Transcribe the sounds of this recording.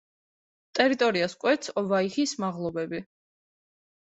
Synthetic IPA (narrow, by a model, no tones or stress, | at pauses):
t̪ʼɛɾit̪ʼɔɾiaskʼwɛt̪sʰɔvaiχismaʁlˠɔbɛbi